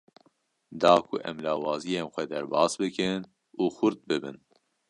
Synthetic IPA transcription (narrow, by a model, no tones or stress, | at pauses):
d̪ɑːkʰʊʔɛ̰mlɑːwɑːzijeːnxʷɛd̪ɛɾbɑːsbɨkɨn | uːxʊɾt̪̚bɨbɨn